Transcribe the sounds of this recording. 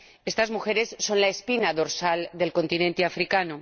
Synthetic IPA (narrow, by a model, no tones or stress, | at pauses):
e̞st̪azmuxe̞ɾe̞sːo̞nlaespinaðo̞ɾsald̪e̞lko̞nt̪inẽ̞nt̪eafɾikano